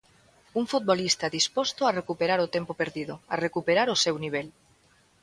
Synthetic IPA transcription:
uŋfut̪̚bolist̪aðispost̪oarekupeɾaɾot̪empopeɾðiðoarekupeɾaɾosewniβ̞el

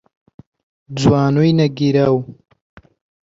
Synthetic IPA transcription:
d͡zwaːnujnɐɡiɾaw

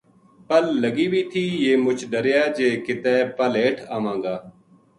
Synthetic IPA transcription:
pəlːəɡiːbiːt̪ʰiːjeːmʊt͡ʃʰɖəɾjaːd͡ʒeːkɪt̪ɛːpəleːʈʰaːmãːŋɡaː

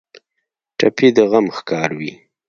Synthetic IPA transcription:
ʈʰapʰid̪əɣamxkɑɾwi

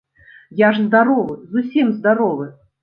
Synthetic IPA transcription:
jaʐzd̪aɾɔvɨzusʲimzd̪aɾɔvɨ

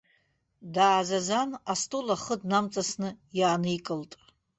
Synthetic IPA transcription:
daːzazanastʼulaχədnamt͡sʼasnɨjaːnɨikʼɨltʼ

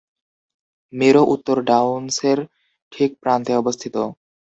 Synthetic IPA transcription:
meɾoʔut̪ːoɾɖawnseɾ | ʈʰik̚pɾant̪eɔbost̪ʰit̪o

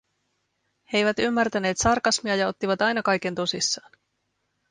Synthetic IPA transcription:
he̞jʋæt̪ymːært̪æne̞ːt̪sɑrkɑsmiɑjɑo̞t̪ːiʋɑt̪ɑjnɑkɑjke̞nt̪o̞sisːɑːn

